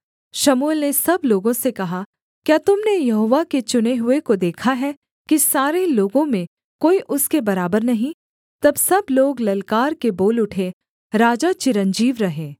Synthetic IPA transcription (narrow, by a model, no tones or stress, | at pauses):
ʃɐmuːlnesɐbloːɡõsekɐɦa | kjaːt̪ʊmnejɐɦoːʋaket͡ʃʊneɦʊekod̪eːkʰaɦɛ | kisaːɾeloːɡõmẽ | koːiʔʊskebɐɾaːbəɾnɐɦĩ | t̪ɐbsɐbloːɡlɐlkaːɾkeboːlʊʈʰe | ɾaːd͡ʒat͡ʃɪɾə̃nd͡ʒiːʋɾɐɦẽː